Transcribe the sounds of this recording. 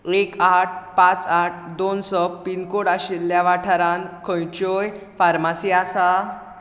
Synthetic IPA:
ekaʈ̚ʰpãt͡saʈ̚ʰd̪onsək̚pinkoɽaɕilːjaʋaʈʰaɾãnkʰə̃jt͡ɕoj | faɾmasiasa

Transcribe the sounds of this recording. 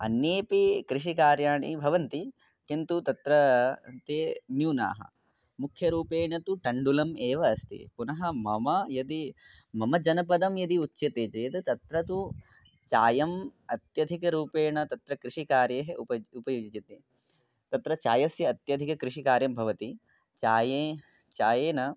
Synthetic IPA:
ɐ̰njeːpikɾiʂ̬ikaːɾjaːɳḭbʱɐʋɐnt̪i | kint̪ut̪ɐt̪ɾɐt̪eːnjuːna̰ːɦɐ̰ | mukʰjɐɾuːpeːɳɐt̪uʈɐɳɖulɐmeːʋɐːst̪ḭpunɐɦɐmɐmɐjɐd̪i | mɐmɐd͡ʒɐnɐpɐd̪ɐmjɐd̪iutːʃɐt̪eːd͡ʒɐjɐt̪ɐt̪ɐt̪ɾɐt̪u | t͡ʃaːjɐmɐt̪jɐd̪ʱikɐɾuːpeːɳɐt̪ɐt̪ɾɐkɾɪʂikaːɾjeːɦeʔupɐupɐjuːd͡ʒit͡ʃit̪i | t̪ɐt̪ɾɐt͡ʃaːjɐsjɐːt̪jɐd̪ʱikɐkɾiʂikaːɾjɐmbʱɐʋɐt̪i | t͡ʃaːjeː | t͡ʃaːjeːnɐ

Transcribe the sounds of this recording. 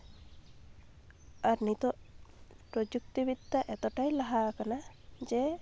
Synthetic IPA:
aɾnit̪ɔ | pɾɔd͡ʒuk̚t̪ibid̪ːaʔɛt̪ɔʈajlaɦakana | d͡ʒe

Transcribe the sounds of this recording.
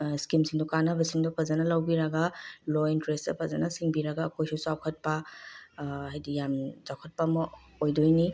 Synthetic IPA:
skimsiŋdukanɐbɐsiŋdupʰɐzɐnɐlawbiɾɐɡalointɾestɐ̰pʰɐzɐnɐsiŋbiɾɐɡaːkʰojsusawkʰɐt̚pa | hajdijamzawkʰɐt̚pamɔojdojni

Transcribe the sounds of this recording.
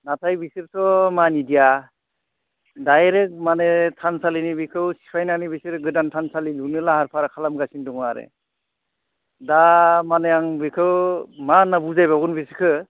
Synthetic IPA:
natʰajbisiɾsʰɔmanidija | dajɾɯk̚manetʰansalinibikʰɯwsi̥pʰajnanibisiɾɡɯdantʰansalilunɯlahaɾpʰaɾkʰalamɡasindɔŋaɾḛ | damanɯjaŋbikʰɯwmanabuzajbaɡunbisɯ̥kʰɯ

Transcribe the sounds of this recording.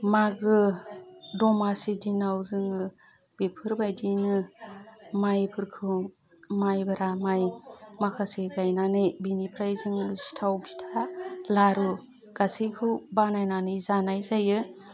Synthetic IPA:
maɡɯ | dɔmasidinawzɯŋɯ | b̥epʰɯɾbajdinɯ | majpʰɯɾkʰɯ | majbaɾamajmakʰaseɡajnanɯjbinipʰɾajzɯŋɯsi̥tʰawpʰi̥tʰalaɾu | ɡ̥asikʰɯwbanajnanɯzanajzajɯ

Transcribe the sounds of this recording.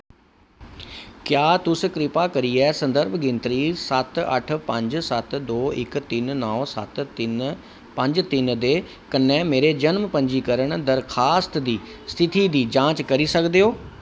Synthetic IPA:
kjaːt̪ʊskɾɪpakɐɾiɛːsɐ̃nd̪əɾbʱɡɪ̃nt̪ɾisɐt̪ɐ̰ʈ̆ʰpɐ̃ɲd͡ʑsɐt̪d̪oːɪkt̪ɪnnɔːsɐt̪ | pɐ̃ɲd͡ʑt̪ɪnd̪eː | kɐnɛ̃meːɾed͡ʑɐnmpɐ̃ɲd͡ʑikɐɾəɽ̃d̪ɐɾxaːst̪d̪iːst̪ʰɪt̪id̪iːd͡ʑãːt͡ɕkɐɾisɐɡʱd̪eɦoː

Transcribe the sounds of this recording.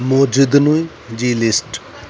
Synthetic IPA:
mod͡ʒid̪nuj | d͡ʒiːlisʈ

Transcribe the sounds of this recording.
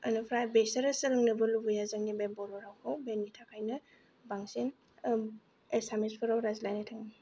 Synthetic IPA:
ɐnɯpʰɾajbesɐɾɐsɐlɯŋnɯbɯlubujazɯŋnibebɔɾɔɾawkʰawbenːitʰakʰajnɯ | baŋsin | esamispʰɯɾawɾazlajnatʰaŋni

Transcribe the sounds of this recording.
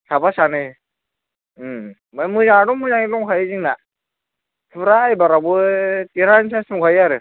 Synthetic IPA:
sʰabasanɯj | bajmɯzaŋaɾɔmɯzaŋilɔŋkʰajiziŋna | tʰɯɾajbaɾabɯtiɾansʰasmkʰajaɾɯ

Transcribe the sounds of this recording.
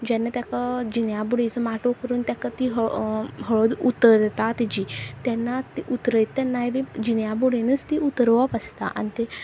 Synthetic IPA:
d͡ʑɛnːat̪jakad͡ʑinjabuɽet͡səmaʈokəɾuːnt̪jakat̪iɦəɦəɭod̪ut̪ːəɾd̪et̪at̪id͡ʑiːt̪janːat̪iʔut̪ɾəjt̪ːjanːaɦjʋid͡ʑinjabuɽenəst̪iut̪əɾʋapəst̪a̰ʔa̰nit̪e

